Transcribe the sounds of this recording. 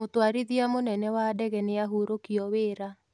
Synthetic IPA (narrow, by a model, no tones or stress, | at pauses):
otwaɾiðiamonɛnɛwadɛɣɛneaɦuɾokiɔweːɾa